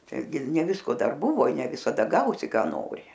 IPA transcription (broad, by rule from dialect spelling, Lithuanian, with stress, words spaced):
tɐɪˈɡʲɪ ɪr nʲɛ ˈʋʲɪskoː ˈdɐr ˈbʊʋoː ɪ nʲɛ ʋʲɪsɐˈdɐ ˈɡɐʊsʲɪ ˈkɑː ˈnoːrʲɪ